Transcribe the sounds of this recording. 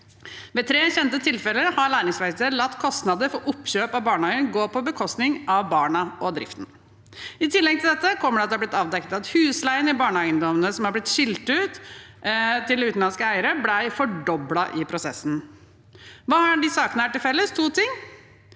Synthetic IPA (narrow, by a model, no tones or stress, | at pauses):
ʋɛːt̪ʰɾeːçɛnt̪ət̪ʰɪlfɛləɾhɑɭæːɾɪŋsʋæɪt̪əlɑt̪ːkʰɔst̪nɑd̪əɾfɔɾʔʊpːɕøːpɑʋbɑːɳəɑɪənɡoːpʰɔbəkʰɔst̪nɪŋʔɑʋbɑːɳəɔd̪ɾɪ̰ft̪n̩ | ɪt̪ʰɪlːɛɡ̚t̪ɪld̪ɛt̪ːəkʰɔmːəɖɛɑt̪̚d̪ɛhɑblɪt̪ɑːʋd̪ɛkːət̪ɑt̪hʉːslæɪənɪbɑːɳəæɪənd̪ɔmənəsɔmhɑblɪt̪ɕɪlt̪ʉːt̪ | t̪ʰɪld̪ɛʉːt̪n̩ɑnskəæɪəɾəblæɪfɔɖɔblɑʔɪpʰɾʊsɛsːn̩ | ʋɑːhɑɖɪsɑːkənəæʈːɪlfɛlːəst̪ʰuːt̪ʰɪŋː